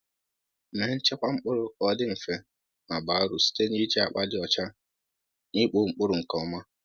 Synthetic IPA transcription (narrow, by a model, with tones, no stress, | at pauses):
me˨˦n̩˦t͡ʃe˦kʷa˦ŋ͡m̩˦k͡pʊ˦ɾʊ˨ɔ˦dɪ˦m̩˨fe˨ | ma˨ba˨˦ɾʊ˨si̥˦te˦ni˦t͡ʃe˦a˨k͡pa˦dɪ˦ɔ˨t͡ʃa˦ | ni˦k͡po˨ŋ͡m̩˦k͡pʊ˦ɾʊ˨ŋ̩˨kɔ˨ɔ˨˦ma˦